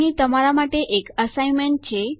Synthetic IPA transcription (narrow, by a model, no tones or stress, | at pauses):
ɦĩt̪əm̤alamaʈːeʔekəsajmeɳʈ̚t͡ɕʰe